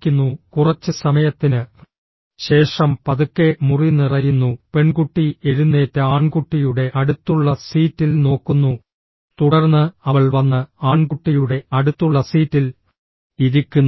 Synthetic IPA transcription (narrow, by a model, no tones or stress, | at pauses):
kʲːunːukurɐt͡ɕːɨsɐmɐjɐt̪ːinɨ | ɕe̞ːʂɐmpɐðukːe̞murinirɐjunːupe̞ɳkuʈːieɻunːe̞ːtːeaːɳkuʈːijuɽe̞ʔɐɽut̪ːuɭːɐsiːtːilno̞ːkːunːu | t̪uɽɐrnːɨɐʋɐɭʋɐnːɨaːɳkuʈːijuɽe̞ɐɽut̪ːuɭːɐsiːtːil | iðikʲːunː